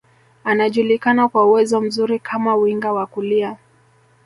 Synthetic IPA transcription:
anaʄulikanakwauwɛzɔm̩zuɾikʰamauiŋɡawakulia

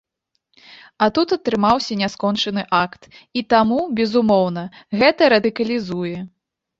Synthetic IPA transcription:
ɐt̪ut̪ɐt̪ɾɨmawsʲɐnʲaskɔnt͡ʂɐnɨʔakt̪it̪amubʲɛzumɔwnɐɣɛt̪ɐɾɐd̪ɨkɐlʲizujɛ

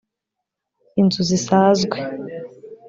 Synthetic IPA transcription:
inzuzisaːzɡwe

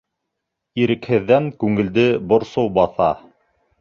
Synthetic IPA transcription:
iɾɘ̆khɘ̆ðːæŋkʉŋɘ̆ld̪ɘbŏɾsowbɑθɑ̰

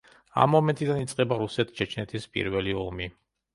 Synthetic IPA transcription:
a̰mːɔmɛnt̪ʼid̪anit̪sʼqʼɛbaɾusɛt̪ʰt͡ʃʰɛt͡ʃʰnɛt̪ʰispʼḭɾvɛliɔlˠmi

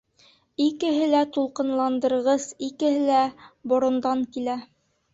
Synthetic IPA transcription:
ikɘ̆ɦɘlæt̪ulˠqɤ̆nlˠɑnd̪ɤ̆ɾʁɤzikɘ̆hɘlæbŏɾŏnd̪ɑŋkilæ

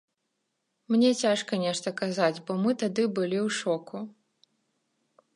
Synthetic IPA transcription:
mnʲɛt͡sʲaʂkɐnʲɛʂt̪ɐkazad͡zʲbɔmɨt̪ad̪ɨbɨlʲiwʂɔkʰu

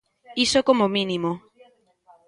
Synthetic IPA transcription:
isokomomĩnĩmo

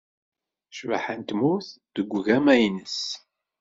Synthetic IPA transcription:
ʃva̰ħənt̪muθðəɡʷɣæmæjnəs

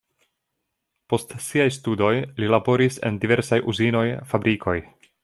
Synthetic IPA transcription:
po̞stsiajstudo̞jlilabo̞ɾise̞̰ndive̞ɾsajuzino̞jfabɾʔikʰo̞j

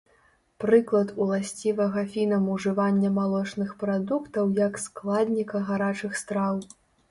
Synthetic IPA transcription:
pɾɨklˠɐt̪ulˠasʲt͡sʲivɐɣɐfʲinɐmuʐɨvanʲːɐmalˠɔt͡ʂnɨxpɾad̪ukt̪ɐwjɐksklˠad̪ʲnʲikɐɣaɾat͡ʂɨxst̪ɾaw

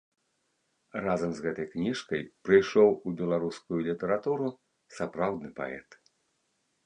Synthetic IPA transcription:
razɐmzɣɛt̪ɐjknʲiʂkɐjpɾɨjʂɔwubʲɛlˠaɾuskujulʲit̪ɐɾat̪uɾu | sapɾawd̪nɨpa̰ɛ̰t̪

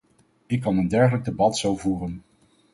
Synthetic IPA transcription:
ɪkːɑnəndɛɹχələɡ̚debɑtsowvuːrən

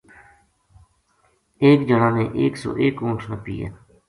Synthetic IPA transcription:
eːkd͡ʒəɽãːnẽːʔeːkso̰ːʔeːkõːʈʰnãːpḭːja̰ː

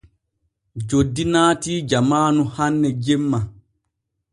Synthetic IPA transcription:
d͡ʒodːinaːtiːd͡ʒamaːnuhanːɛd͡ʒemːa

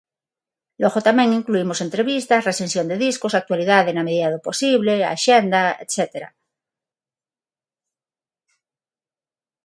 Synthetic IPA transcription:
loɣot̪amẽŋiŋkluimose̞nt̪ɾeβist̪asresensjo̞nd̪eðiskosak̚t̪waliðaðenameðiðaðopo̞siβlea̰ʃend̪aḛt̪set̪eɾa̰

